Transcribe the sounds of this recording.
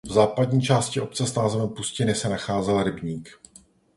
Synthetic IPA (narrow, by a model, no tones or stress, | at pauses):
vzaːpadɲiːt͡ʃaːscɪʔo̞p̚t͡sɛsnaːzɛvɛmpuscɪnɪsɛnaxaːzɛlɾɪbɲiːk